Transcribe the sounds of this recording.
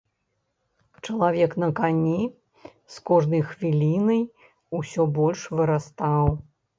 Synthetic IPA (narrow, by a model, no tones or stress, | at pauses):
t͡ʂɐlˠavʲɛknɐkanʲi | skɔʐnɐjxvʲilʲinɐj | usʲɔbɔlʲʂvɨɾast̪aw